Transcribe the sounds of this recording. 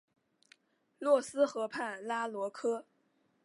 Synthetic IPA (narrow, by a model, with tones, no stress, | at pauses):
lwɔ˥˩sɹ̩˥xɤ˧˥pʰa˥˩nla˥lwɔ˧˥kʰɤ˥